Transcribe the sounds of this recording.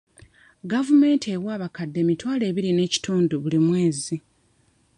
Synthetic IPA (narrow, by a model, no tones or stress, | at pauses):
ɡavume̞ːntewaːβakadːe̞mitwaːle̞ːβiɾine̞ːci̥tuːnduβulimwe̞ːzi